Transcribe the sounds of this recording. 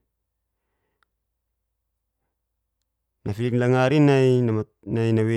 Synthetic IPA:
nafiliklaŋaɾinajn | najnawe

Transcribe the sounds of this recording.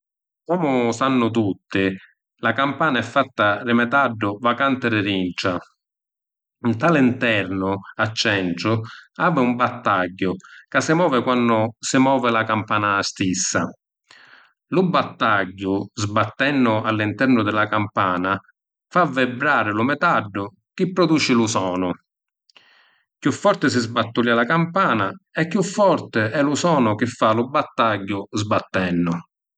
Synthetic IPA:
kɔːmʊsanːʊt̪ut̪ːɪ | lakampaːnaɛfːat̪ːarɪmɛt̪aɖːʊvakant̪ɪɾɪɾint͡ʃa | nt̪alɪnt̪ɛɾnʊat͡ʃːɛnʈɾʊaːvɪumbat̪ːaɟːʊkasːɪmɔːvɪkwanːʊsɪmɔːvɪlakampaːnast̪isːa | lʊbːat̪ːaɟːʊzbat̪ːɛnːʊalːint̪ɛrnʊd̪ɪlakampaːna | favɪbɾaːɾɪlʊmɛt̪aɖːʊ | k̟ɪpːɾɔd̪uːt͡ʃɪlʊsɔːnʊ | kjufːɔɾt̪ɪsɪzbat̪ːulalakampaːnaɛkːjufːɔrt̪ɪɛlʊsɔːnʊk̟ɪfːalʊbːat̪ːaɟːʊzbat̪ːɛnːʊ

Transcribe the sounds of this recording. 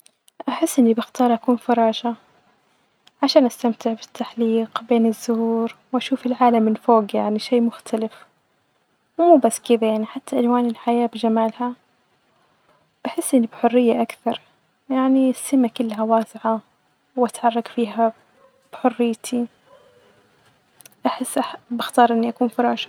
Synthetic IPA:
ʔaħɪsːʔɪnːibɪxt̪ɑːɾˤʔakuːnfɑɾˤɑːʒa | ʕaʃaːnʔast̪amt̪ɪʕbɪt̪ʰːaħliːqbeːnɪzːʊhuːɾwʔaʃuːfɪlʕaːlamːɪnfoːɡjaʕniʃeːmʊxt̪ʰalɪf | wmuːbasːkɪd̪ajaʕniħat̪ʰːaʔalwaːnɪlħajaːbd͡ʒamaːlha | b̥aħɪsːʔɪnːibħʊrːɪjːaʔakθɑɾˤ | jaʕnisːɪmakɪlːɦawaːsɪʕa | wʔat̪ħɑrˤːɑɡfiːɦa | b̥ħʊrːɪjːt̪ʰi | ʔaħɪsːʔabaxt̪ɑːɾˤʔɪnːiʔakuːnfʊɾˤɑːʃ

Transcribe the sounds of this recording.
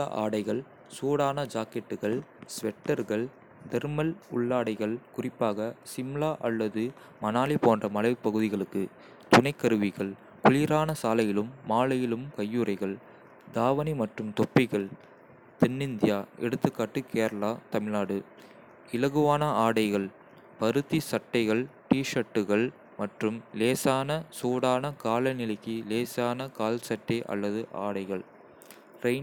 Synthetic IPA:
aʔa̰ːɽɐɪɣɐɭ | suːɽaːnɐd͡ʒaːkɛʈːɯɣɐɭsʋɛʈːɐɾɣɐɭ | d̪ɛɾmɐlʊ̰ɭːaːɽɐɪɣɐɭkʊrɪpːaːɣɐsɪmlaːʔɐlːɐðɯ | mɐnaːlipoːndrɐmɐlɐɪʋɯpːɐɣɯðɪɣɐɭɯkːɯ | t̪ʊnɐɪkːɐɾɯʋɪɣɐɭ | kʊlɪɾaːnɐsaːlɐjɪlɯmːaːlɐjɪlɯmkɐjːuɾɐɪɣɐɭ | d̪aːʋɐnimɐʈrɯmt̪ɔpːɪɣɐɭ | t̪ɛnːɪnd̪ɪjaːʔɛ̰ɽɯt̪ːɯkːaːʈːɯkeːɾɐlaːt̪ɐmɪlaːɽɯ | ɪlɐɣɯʋaːnɐaːɽɐɪɣɐɭ | pɐɾɯt̪ːisɐʈːɐɪɣɐɭʈiːʂɐʈːɯɣɐɭ | mɐʈrɯmleːsaːnɐsoːɽaːnɐkaːlɐnɪlɐɪkːileːsaːnɐkaːlsɐʈːɐʔɐ̰lːɐðɯʔa̰ːɽɐɪɣɐɭ | ɾɐɪn

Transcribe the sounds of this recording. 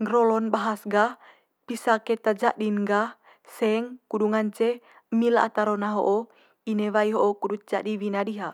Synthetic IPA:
ŋɡɾɔlɔnbaɦasɡah | pisaket̪ad͡ʒaʔdinɡa | sɛŋkuduŋant͡ʃe | milaa̰t̪aɾonaɦo̰ʔo | inewaiɦoʔːkudut̪̚d͡ʒaʔdiwinadiɦa

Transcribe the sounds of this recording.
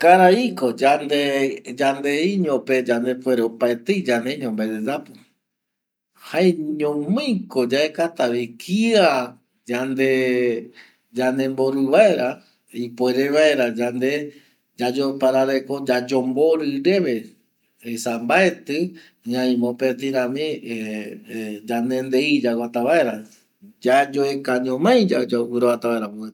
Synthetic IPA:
kaɾaiko̞d͡ʒand̪ed͡ʒand̪eiɲõped͡ʒand̪e̞pweɾeopaet̪ɨd͡ʒand̪eiɲõmbad̪ed͡ʒapɨ | haeɲõmɨ̃jkod͡ʒaekat̪aβikʰia | d͡ʒand̪e | d͡ʒand̪e̞mboɾuβae̞ɾa | ipoeɾeβaeɾad͡ʒand̪e | d͡ʒad͡ʒopaɾaɾekod͡ʒad͡ʒomboɾɨɾeβe | sambaet̪ɨ | ɲãĩmõpet̪̬ĩɾãmĩ | d͡ʒand̪end̪eid͡ʒawat̪aβaeɾa | d͡ʒad͡ʒoekaɲõmãj̃d͡ʒad͡ʒauɾoβat̪aβaeɾapu

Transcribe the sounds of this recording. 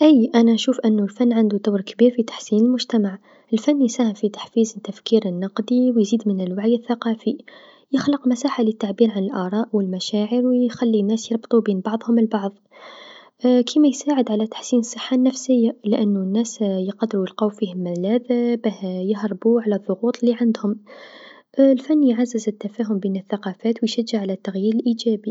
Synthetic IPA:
ʔijʔænæʃuːfʔənːulfænːʕand̪ud̪awɾkbiːɾfit̪ḁħsiːnəlmʊʒt̪amaʕ | əlfænːjsæːhəmfit̪ḁħfiːzt̪ːafkiːɾənːɑqd̪iwjziːd̪mənəlwaʕjəθːaqɑfi | jəxləqmæsaːħalət̪ːaʕbiːɾʕanəlʔɑɾˤɑːʔwəlmæʃaːʕəɾwjxælːinːæːsjɑɾˤbt̪ˤubiːnbɑʕðˤhʊməlbɑʕðˤ | kʰimæjsaːʕəd̪ʕalæt̪ḁħsiːnsˤːəħːanːæfsəjːalɪʔænːunːæsjəqɑd̪ːɾujəlqɑːwfihʊmːɪðlæːd̪bæhjəɦɾˤbuʕalæðˤːʊɣuːt̪ˤlːiʕand̪hʊm | lfænːjʕazːəzət̪ːafæːɦʊmbiːnəθːaqɑfæːt̪wjʃæd͡ʒːaʕalæt̪ːaɣjiːɾəlʔiːd͡ʒæːbi

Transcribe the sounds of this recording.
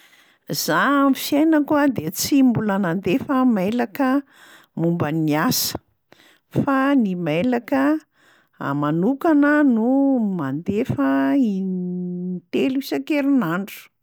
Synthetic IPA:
z̥amffjajnəkuad̪et͡simbulanand̪efəmalakə | mumbəniasə̥ | fanimelakə | a̰manukanənumand̪efəi | t̪eluisakeɾinaɳɖ͡ʐu̥

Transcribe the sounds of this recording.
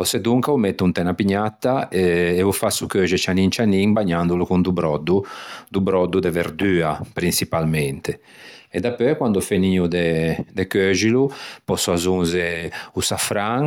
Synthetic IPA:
ɔsɛd̪uŋkaumɛt̪ːunt̪ɛnapiɲːat̪ːaɛɛvufasukøːʒɛt͡ʃanint͡ʃaniŋbaɲːand̪ulukund̪ubɾɔd̪ud̪ubɾɔd̪ːud̪ɛveɾd̪yːapɾinsipalmɛnt̪e | ɛd̪apːøkwand̪ufeniːud̪ɛd̪ɛkøʒilupɔsuazunzeusafɾaŋ

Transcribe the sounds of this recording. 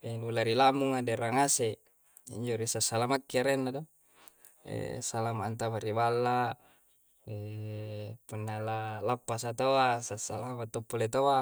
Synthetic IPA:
elulaɾilamuŋadeɾaŋase | ḭɲd͡ʒoɾisasalamakːiaɾenːado | ḛsalamaːnt̪amaɾibalːa | e | punːalalapːasat̪oasasalamat̪ːopːulet̪oa

